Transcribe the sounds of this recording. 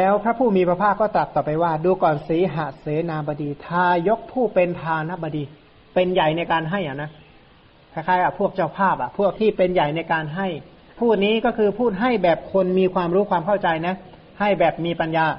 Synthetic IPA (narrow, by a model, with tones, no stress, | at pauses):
lɛː˦˥wpʰɾa˦˥pʰuː˥˩miː˧pʰɾa˧pʰaː˥˩kɔː˥˩t̪ɾa˨˩t̪̚ɔː˨˩pa˧jwaː˥˩duː˧kɔː˨˩nsiː˩˦ɦa˨˧˩seː˨˩˦naː˧ba˧diː˧t̪ʰaː˧jo˦˥k̚pʰuː˥˩pe˧nt̪ʰaː˧na˦˥bɔː˧diː˧ | pe˧nja˨˩jna˧jkaː˧nɦa˥˩jʔa˨˩na˦˥ | kʰa˧˩jkʰaː˦˥˩ʔa˨˩pʰu˥˩ək̚t͡ɕa˥˩wpʰaː˥˩p̚ʔa˨˩pʰu˥˩ək̚t̪ʰiː˥˩pe˧nja˨˩jna˧jkaː˧nɦa˥˩j | pʰuː˥˩t̪̚niː˦˥kɔː˥˩kʰɯː˧pʰuː˥˩t̪̚ɦa˥˩jbɛː˨˩p̚kʰo˧nmiː˧kʰwaː˧mɾuː˦˥kʰwaː˧mkʰa˥˩wt͡ɕa˧jna˦˥ | ha˥˩jbɛː˨˩p̚miː˧pa˧njaː˧